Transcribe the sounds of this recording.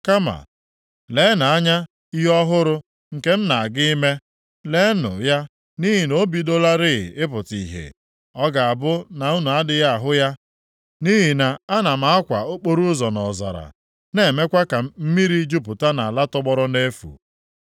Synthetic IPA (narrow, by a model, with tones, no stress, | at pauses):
ka˦ma̰˨ | le˨˦na˨a˦ɲa˦ | i˦ɦɔ˦ɦʊ˦ɾʊ˦ | ŋ̩˨ke˦m̩˦na˨a˨ɡɪ˦me˦ | le˨˦nʊ̰˨ja˦ | ni˦ɦi˨no˦bi˨do˦la˦ɾɪ˦ɣ̰ɪ˦p̬ʊ˨tḭ˨ɦḛ˨ | ɔ˦ɡa˨a˨bʊ˦na˨u˦nu˨a˦dɪ˨ja˦a˨ɦʊ˦ja˦ | ni˦ɦi˨na˨a˦na˨m̩a˨a˦kʷa˨o˦k͡po˦ɾu˦zɔ˨nɔ˨za̰˨ɾa̰˨ | ne˨me˦kʷa˦ka˨˦m̩˦mi˦ɾi˦d͡ʒu˦pʊ˨ta˦na˨la˦tɔ˦ɡ͡bɔ˦ɾɔ˦ne˦fṵ˨